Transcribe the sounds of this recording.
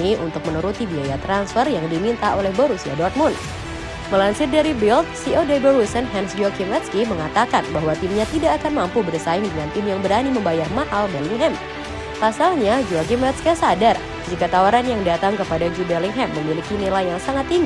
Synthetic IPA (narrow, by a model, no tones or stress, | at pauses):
iʔṵnt̪ʊk̚mənəɾut̪ibiajat̪ɾansfərjaŋdimint̪aolɛhbɔɾusia̰dɔrt̪̚mʊnt̪ | məlansɪt̪̚daɾibɪlt̪̚siodedɔɾusənɦɛnsd͡ʒɔɡimɛt̪skiməŋat̪akanbaɦwat̪imɲat̪idaːkanmampubərsaɪŋdəŋant̪ɪmjaŋbəɾaniməmbajarmaʔalbɛliŋɦɛm | pasalɲad͡ʒuaɡimɛt̪skasadar | d͡ʒikat̪awaɾanjaŋdat̪aŋkəpadad͡ʒubɛliŋɦɛmːəmilikinilajaŋsaŋat̪ːiŋɡ